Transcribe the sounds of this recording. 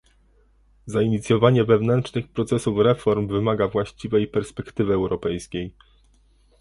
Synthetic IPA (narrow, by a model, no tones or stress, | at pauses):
zaiɲit̪sʲjɔvaɲɛvɛvnɛntʂnɘxpɾɔt̪sɛsufɾɛfɔɾmvɘmaɡavwaɕt͡ɕivɛjpɛɾspɛkt̪ɘvɘɛwɾɔpɛjskʲej